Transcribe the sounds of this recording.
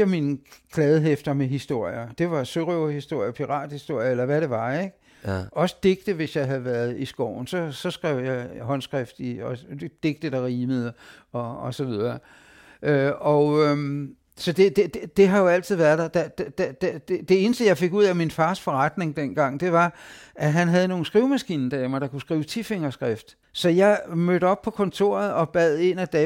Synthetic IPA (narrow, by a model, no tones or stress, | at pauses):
ɐminəkʰlɛːð̞ˠɦefd̥ɐmeɦisd̥o̝ɐ̰jɐd̥e̝ʋɑ̈soʁio̝hisd̥o̝ɐ̰jɐpʰiʁɑ̰̈ːd̥hisd̥o̝ɐ̰jɐelɐʋæɾe̝ʋɑ̈eɡ̥ | ʔɒ̽sə̥d̥e̝ɡ̥̚d̥əʋe̝sjɑ̈ɪɦæð̩ˠʋæːɐðˠisɡ̥ɒʊ̰n̩sɒ̽sɒ̽sɡ̥ʁɛʊ̰jɑ̈ɪɦɒ̽nsɡ̥ʁɛfd̥iɒd̥e̝ɡ̥̚d̥əd̥ɑ̈ʁiːməð̩ˠɒ̽ɒ̽sɒ̽ʋið̞ˠɐ | ʔøɒ | sɒ̽d̥e̝d̥ed̥ed̥e̝ɦɑ̈jo̝æl̰t͡sʰið̰ˠʋæɐðˠd̥ɑd̥æd̥d̥æd̥d̥e̝e̝ːnəsd̥əjɑ̈ɪfe̝ɡ̥uð̞̰ˠæminfɑ̈ːsfɒ̽ʁɑd̥ne̝ŋd̥en̰ɡ̥ɑ̈ŋ̰d̥e̝ʋɑ̈ʔæɦænɦæð̞ˠəno̝ːn̩sɡ̥ʁiʊmæsɡ̥ḭːnn̩d̥ɛmɐd̥ɑ̈kʰusɡ̥ʁḭːʊt͡sʰife̝ŋɐsɡ̥ʁɛfd̥ | sɒ̽jɑ̈ɪmøɾ̥əɒ̽b̥̚pʰɒ̽kʰɒ̽nt͡sʰo̝̰ːɐð̩ˠɒ̽b̥ɛð̞̰ˠe̝næd̥ɛ